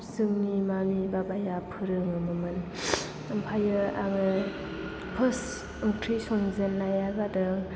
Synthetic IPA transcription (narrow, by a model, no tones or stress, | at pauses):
sɯŋnimamibabajapʰɯɾɯŋɯmɯmɯn | ɯmpʰajɯaŋɯ | pʰɯs | ɯŋtʰisɔŋzenlajaɡadɯŋ